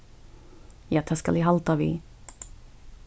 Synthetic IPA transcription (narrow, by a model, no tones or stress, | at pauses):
jat̪ʰaska̰liɦalt̪avḭ